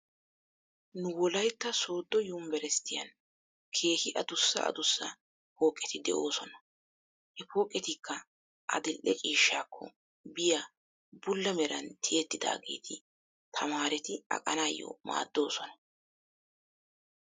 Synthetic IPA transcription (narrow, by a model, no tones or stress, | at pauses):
nʊwɔlɐjt̪ːɐso̞ːd̪ːɔjʊmbɛɾɛst̪ɪjɐ̰n | kʰe̞ːhɪʔɐd̪ʊsːɐ̰ɐ̰d̪ʊsːɐ | po̞ːkʼːɛt̪ɪd̪ɛ̰ʔo̞ːsɔnɐ | hɛpo̞ːkʼːɛt̪ɪkʰːɐ | ʔɐ̰d̪ɪlʔɛt͡ʃʼiːʃːaːkʰːɔ | bɪja | bʊlːɐmɛɾɐnt̪ʰɪjɛt̪ːɪd̪a̰ːɡe̞̰ːt̪ʰɪ | t̪ʰɐmaːɾɛt̪ɪɐ̰kʼɐnaːjːɔ̰ma̰ːd̪ːo̞ːsɔnɐ